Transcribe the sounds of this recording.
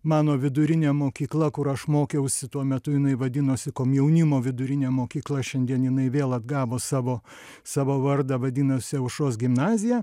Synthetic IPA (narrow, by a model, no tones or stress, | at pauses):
mɑːnoːʋʲɪd̪ʊɾʲɪnʲeːmoːkʲiːklˠɐkʊɾɐʃmoːkʲɛʊsʲɪt̪uɔmʲɛt̪ʊjɪnɐɪʋɐd̪ʲɪnoːsʲɪkoːmjɛʊnʲɪmoːʋʲɪd̪ʊɾʲɪnʲeːmoːkʲiːklˠɐʃʲɛnʲd̪ʲiɛnjɪnɐɪʋʲeːlˠɐd̪ɡɑːʋoːsɑːʋoː | sɑːʋoːʋɐrd̪ɑʋɐd̪ʲiːnosʲɪɐʊʃoːs̬ɡʲɪmnɑːzʲɪjæː